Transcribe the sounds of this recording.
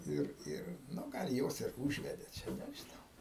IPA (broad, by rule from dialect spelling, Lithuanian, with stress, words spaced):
ˈɪr ˈɪr ˈnʊ ˈɡɐlˠ ˈjoːs ɪr ˈuːʒʲʋʲɛdʲeː ˈt͡ʃʲɛ nʲɛʒʲɪˈnɐʊ